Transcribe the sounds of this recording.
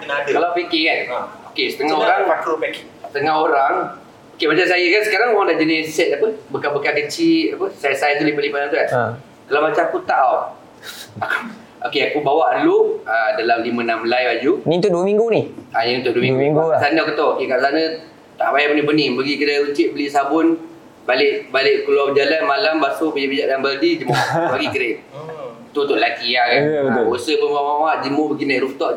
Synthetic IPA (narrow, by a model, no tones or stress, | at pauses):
kənadəkalapikikanaokesə̥t̪əŋaoɾaŋat̪opɛk | sə̥t̪əŋaɦoɾaŋ | okemat͡ʃamsajəkansə̥kaɾaŋoɣaŋdaʔd͡ʒadɪsɛt̪̚apəbəkabəkakət͡ʃiʔapəsajasajat̪ulibaʔ̚limanamt̪ukan | kalawmat͡ʃamkut̪aaw | aku | okeakubawaʔluʔadalamlimə̃namlajbad͡ʒunint̪ʊduəmiŋɡunianĩnt̪ʊt̪ʔ̚duwəmiŋɡɡŋɡukkasanəakut̪ookekaʔsanə | t̪aʔbajabənibənibəɡikəɾəlut͡ʃɪʔ̚bəliʔsabʊn | balɪʔbalɪʔkuluabd͡ʒalanmalambasʊbəɲəbid͡ʒaʔdambəldid͡ʒəmʊbəɡikəɾe | t̪ut̪ʊʔlakiakaəosəbəmawawad͡ʒəmʊbəɡinaɾuft̪ɔʔ